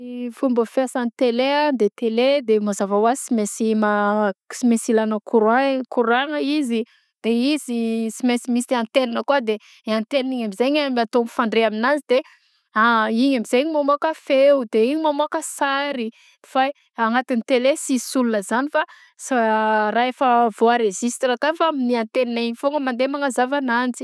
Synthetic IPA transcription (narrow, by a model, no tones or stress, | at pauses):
ifumbəfeasanit̪elead̪et̪eled̪emazavawasimesimasimesilanəkuɾakuɾaŋəizi | d̪̥eizisimesimist̪ant̪elinəkuad̪e | ant̪elniɲamizeɲamiat̪omfaɳɖ͡ʐeaminazid̪̥e | aiɲamiz̥eɲimamokafewud̪eiɲimamakəsaɾi | fa | aŋat̪init̪elesisulunəzanifa | sraefəvoaɾezist̪ɾakafaminiant̪eniniɲifoŋɡəmand̪emaŋazavanant͡si̥